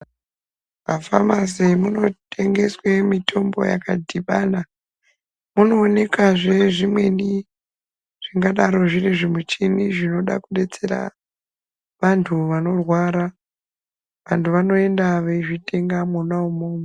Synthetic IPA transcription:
ʋafamazemuno̞tʰe̞ŋɡe̞swemitʰo̞mbo̞̰ja̰kadʱiɓana | muno̞ːne̞kaʐe̞ʐimwe̞ni | ʐ̥iŋɡaɗaɾo̞ʐiriʐimut͡ʃiniʐino̞ɗa̰kuɗe̞t͡se̞ɾa̰ | ʋantʰuʋano̞rwaɾa | ʋantuʋano̞e̞ndaʋeʐitʰe̞ŋɡamunaumoːmo

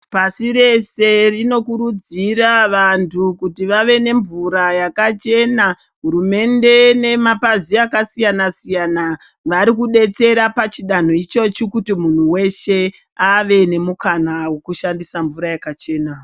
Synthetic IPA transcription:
pasiɾe̞se̞rino̞kuɾud͡ziɾaʋantʰukutiʋaʋe̞ne̞ɱvuɾajakat͡ʃe̞na | ɦuɾume̞nde̞ne̞mapaziakasijanasijana | ʋaɾikuɗe̞t͡se̞ɾapat͡ʃiɗan̤o̞it͡ʃo̞t͡ʃikutimun̤uwe̞ʃe̞ | aʋe̞ne̞mukanawe̞kuʃandisaɱvuɾajakat͡ʃe̞ːna

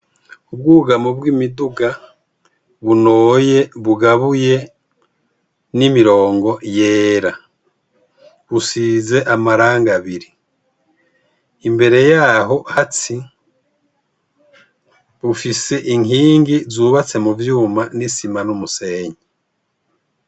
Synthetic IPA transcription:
ubɡuːɡamobɡimiduɡa | βunoːje̞βuɡaβuje̞ | nimiɾo̞ːŋɡo̞je̞ːɾa | βusiːze̞ʔamaɾaːŋɡaβiɾi | mbe̞ɾe̞jaɦo̞hati | βufise̞ʔiŋiːŋɡizuːβat͡se̞muvjuːmanisimanumuse̞ːɲe

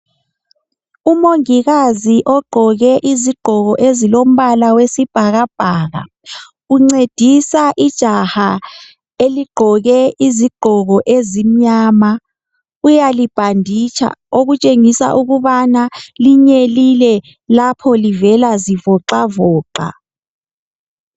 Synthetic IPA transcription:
umoŋiɣaziʔɔɡ͡ǃʱɔɣɛʔiziɡ͡ǃ̥ʱɔɣɔʔezilom̩βalawesib̥ʱaɣab̥ʱaːɣa̰ | uŋ͡ǀed̥ʱisaʔid̥ʒ̥ʱaha | eliɡ͡ǃʱɔɣɛiziɡ͡ǃ̥ʱɔɣɔʔezim̩ɲaːma | ujalib̥ʱandʱit͡ʃʰa̰oɣut͡ʃʼeŋisa̰ʔuɣuβanaliɲelilɛ | lapʰɔlivɛlazivɔǃavɔːǃa̰

